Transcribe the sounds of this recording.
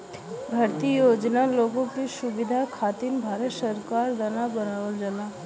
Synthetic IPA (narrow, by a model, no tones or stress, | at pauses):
bʱɐɾt̪ijoːd͡ʒnaloːɡõkesʊbɪd̪ʱakʰaːt̪inbʱaːɾət̪səɾkaːɾd̪ɐnabənaːʋəld͡ʒəla